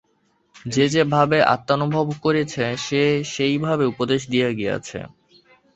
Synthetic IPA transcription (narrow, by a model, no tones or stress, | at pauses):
d͡ʑed͡ʑebʱabeʔa̰t̪ːanubʱobkoɾet͡ɕʰeʃeʃejbʱabeupod̪eʃ̬d̪ijaɡia̰t͡ɕʰḛ